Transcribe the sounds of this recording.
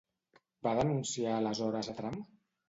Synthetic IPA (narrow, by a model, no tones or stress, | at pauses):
baðənunsialəzɔɾəzat̪ɾam